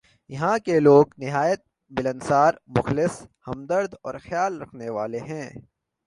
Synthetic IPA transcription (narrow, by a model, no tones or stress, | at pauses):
jɐɦãkeloːɡnɪɦaːjət̪̚ | mɪlənsaːɾmʊxlɪshɐ̃md̪əɾd̪ɔːɾxjaːlɾɐkʰneʋaːleɦɛ̃ː